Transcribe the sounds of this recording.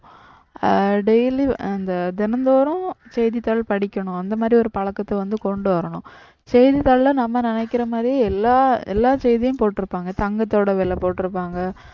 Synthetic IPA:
ɖɛjliɐnd̪ɐd̪ɛnɐnd̪oːɾɐ̃t͡ʃɛjðit̪ɐɭɐɭpɐɽɪkʲːɐɳʊ̃ɐnd̪ɐmaːd̪ɾiɔɾɯpɐɭɐkːɐt̪ːɐʋɐnd̪ɯkɔɳɖɯʋɐɾɐɳʊ̃ | t͡ʃɛjðit̪ɐɭɐlɐnɐmːɐnɪnɛkːɪɾɐmaːd̪ɾiɛlːaːɛ̰lːaːt͡ʃɛjðɪjʊ̃mpoːʈːɪɾɯpːaːŋɡɐt̪ɐŋɡɐt̪ːoːɽɐʋɛlːɐpoːʈːɪɾɯpːaːŋɡɐ

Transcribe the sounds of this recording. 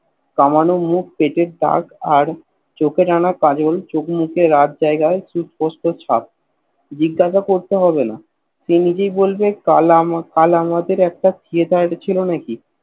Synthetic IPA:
kamanomuk̚peʈeɾd̪a̰kaɾ | t͡ɕokʰeʈanakad͡ʑolt͡ɕokmukʰeɾat̪̚d͡ʑaeɡaesuspɔsʈot͡ɕʰa̰p̚ | d͡ʑiɡːaʃakoɾt̪eɦɔbena̰ | ʃenid͡ʑejbolbealkalamad̪eɾɛk̚ʈat̪ʰied̪ʱat͡ɕʰilonaki

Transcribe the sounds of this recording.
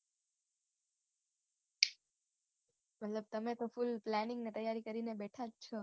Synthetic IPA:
mət̪ləb̚t̪əmet̪ofulplɛnɪ̃ŋɡnet̪əjːaɾikəɾinebɛʈʰad͡ʒt͡ʃʰɔ

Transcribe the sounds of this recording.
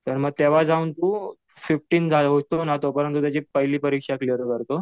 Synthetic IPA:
t̪əɾməɡ̚t̪eʋ̤ad͡zaunt̪uː | fifʈiːnd͡zʱalɦot̪onat̪opəɾənt̪ut̪jat͡ɕiːpəɦjliːpəɾikʂaklijəɾkəɾt̪o

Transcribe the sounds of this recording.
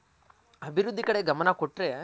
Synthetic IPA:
ɐbʱiɾud̪ʱːikɐɽe̞ɡɐmɐnɐkoʈːɾe

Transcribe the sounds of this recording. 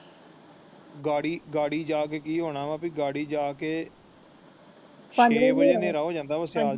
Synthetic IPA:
ɡaːɽiːɡaːɽiːd͡ʒaːk̬eːkiːɦoːɽaːʋãːpiɡaːɽiːd͡ʒaːkeː | ʃeːd͡ʒeːneːɾaːɦoːd͡ʒãːnd̪aːəsaː

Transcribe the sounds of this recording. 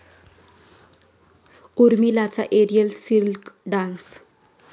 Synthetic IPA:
uɾmilat͡sa̰ʔeɾijəlsilkɖãns

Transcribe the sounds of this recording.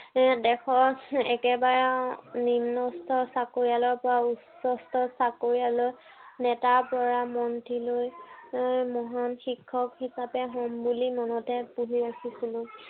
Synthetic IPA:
dɛkʰɔɹɛkɛbaɹanimnɔstʰɔɹsakoɹijalɔɹpɔɹausɔstɔsakoɹijaloj | nɛtaɹpɔɹamɔntiloj | mɔɦanxikʰːɔkhisapɛɦɔmbulimɔnɔtɛpuɦiakisilʊ̃

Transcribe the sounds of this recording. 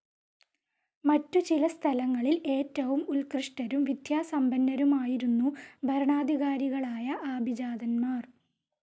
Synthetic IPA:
mɐtːut͡ɕilɐst̪ʰɐlɐŋːɐɭile̞ːtːɐʋumulkrɨʂʈɐɾumʋid̪ʱjaːsɐmbɐnːɐɾumaːjiɾunːubʱɐɾɐɳaːd̪ʱiɣaːɾiɣɐɭaːjɐʔaːbʱid͡ʑaːd̪ɐnmaːr

